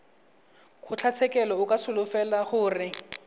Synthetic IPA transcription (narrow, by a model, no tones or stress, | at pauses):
kʰʊt͡ɬʰat͡sʰɛkʼɛlɔʊkʼasʊlʊfɛlaχʊːrɪ